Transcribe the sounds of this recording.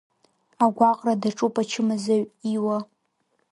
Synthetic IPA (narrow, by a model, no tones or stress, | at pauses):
aɡʷaqʼradaʈ͡ʂʼupʼat͡ʃʰɪmazaɥiwa